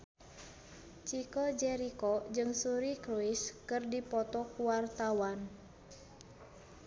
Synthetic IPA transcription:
t͡ʃikɔd͡ʒɛɾikɔd͡ʒɨŋsuɾikɾuiskɨrdipɔt̪ɔkuwart̪awan

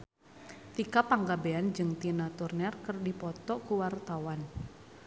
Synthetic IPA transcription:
t̪ikapaŋɡabeand͡ʒɨŋt̪inat̪urnɛrkərdipɔt̪ɔkuwart̪awan

